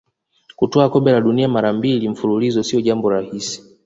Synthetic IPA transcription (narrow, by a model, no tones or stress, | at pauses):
kutɔakɔmbɛlaɗuniamaɾambilim̩fululizɔsiɔʄambɔɾahisi̥